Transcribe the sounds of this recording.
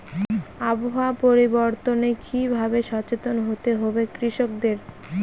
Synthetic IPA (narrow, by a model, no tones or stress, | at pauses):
aboɦapoɾiboɾt̪onekibʱabeʃɔt͡ɕet̪onɦot̪eɦobekɾiʃok̚d̪eɾ